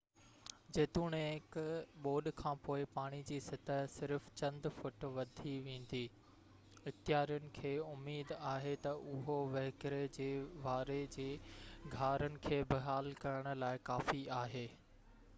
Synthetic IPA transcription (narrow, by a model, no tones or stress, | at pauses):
d͡ʑeːt̪uːɽ̃eɦɪkɓoːɗkʰãːpoːɪpaːɽ̃id͡ʑiːsɪt̪ʰəsɪɾft͡ɕɐ̃nd̪fʊʈʋɐd̪ʱiʋẽːn̆d̪iː | ɪxt̪ɪjaːɾijʊnɪ̆kʰeːʊmːeːd̪aːɦet̪ɐʔʊɦoʋɐɦɪkɾed͡ʑeːʋaːɾed͡ʑeːɡʱaːɾənɪ̆kʰeːbɪɦaːlkɐɾəɽ̃ʊ̆laːɪkaːfiaːɦeː